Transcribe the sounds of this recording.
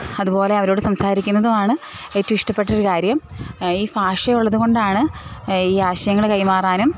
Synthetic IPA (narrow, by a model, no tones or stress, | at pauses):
ɐðupo̞ːle̞ɐʋɐɾo̞ːɽɨsɐmsaːɾikʲːunːɐðumaːɳɨ | etːɐiʂʈɐpːe̞ʈːɐoɾukaːɾjɐm | iːfaːʂɐjuɭːɐðuɣo̞ɳɖaːɳɨiːaːɕɐjɐŋːɐɭkɐjmaːraːnum